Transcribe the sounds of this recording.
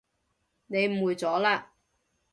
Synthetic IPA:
ne˨˧jm̩˨wuː˨˧jt͡sɔː˨˥laː˧

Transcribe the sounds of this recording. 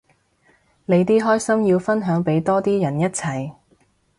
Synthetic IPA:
le˨˧jt̪iː˥ɦɔː˥jsɐ˥mjiː˧wfɐ˥nɦœː˨˥ŋpe˨˥jt̪ɔː˥t̪iː˥jɐ˨˩njɐ˥t̚t͡sʰɐ˨˩j

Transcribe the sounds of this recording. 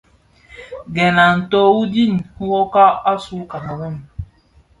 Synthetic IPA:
ɡɛ˨na˨n̩˨to˦wu˦di˦n̩˨hu˦wo˦ka˦a˦su˦ka˨na˨wɛ˦m˨

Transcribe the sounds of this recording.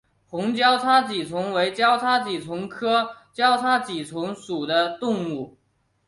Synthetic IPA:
xʊ˧˥ŋt͡ɕjɑ˥ʊt͡sʰa˥t͡ɕi˨˩t͡sʰʊ˧˥ŋwe˧˥ɪt͡ɕjɑ˥ʊt͡sʰa˥t͡ɕi˨˩t͡sʰʊ˧˥ŋkʰɤ˥t͡ɕjɑ˥ʊt͡sʰa˥t͡ɕi˨˩t͡sʰʊ˧˥ŋʂu˨˩d̪ə˦t̪ʊ˥˧ŋu˥˩

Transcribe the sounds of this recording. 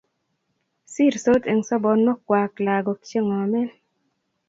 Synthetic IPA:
si˦˨ɾso˦t̪e˨ŋsɔ˦bɔ˨nmɔ˦kwa˨kla˨ɡɔ˨kt͡ʃe˦ŋɔ˨mɛ˦l

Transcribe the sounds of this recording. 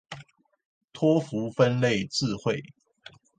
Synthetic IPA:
t̪ʰwɔ˦fu˨˦fə˦nle˥˨ɪt͡sɹ̩˥˨xwe˥˨ɪ

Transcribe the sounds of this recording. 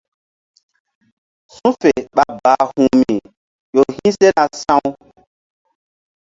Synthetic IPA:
sũ˦fe˨ɓa˨ba˨hũ˨mi˨ | jo˨hĩ˦se˦na˨sã˦w

